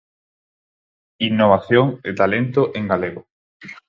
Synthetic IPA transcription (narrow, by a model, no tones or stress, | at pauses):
inːoβ̞aθjoŋet̪alẽnt̪oʔẽŋɡaleɣo